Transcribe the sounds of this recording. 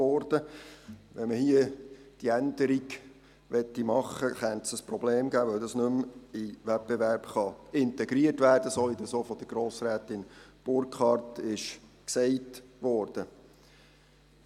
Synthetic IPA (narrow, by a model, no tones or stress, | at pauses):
ɔːɾd̥ə | ʋɛməhiə | d̥iændəɾiɡ | ʋɛt̪ːimɑχəχɛntsəsprɔbleːmɡæːʋœwdɑsnɵmɪʋɛp̚b̥ɛʋæɾbχɑɪnt̪ɛɡɾiətʋæːrd̥əsɔid̪ɑsofɔd̥̪əɡ̥ɾoːsɾæːtɪnb̥ʊɾkχɑrtɪʃksɛɪtʋɔːɾd̥ə